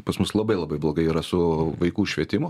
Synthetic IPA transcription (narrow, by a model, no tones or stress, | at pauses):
pɐsmʊslˠɐbɐɪlˠɐbɐɪblˠoːɡɐɪiɾɐsʊʋɐɪkuːʃʲʋʲiɛt̪ʲɪmʊ